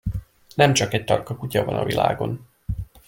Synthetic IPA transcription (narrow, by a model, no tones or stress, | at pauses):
nɛmt͡ʃɒkɛc̚t̪ɒrkɒkucɒvɒnɒvila̰ːɡo̞n